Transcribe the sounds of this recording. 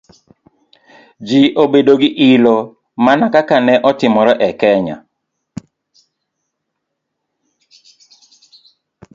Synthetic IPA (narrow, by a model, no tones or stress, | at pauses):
d͡ʒiʔobedoɡɪʔilo | manakakanɛʔɔtɪmɔɾɔʔɛkɛɲa̰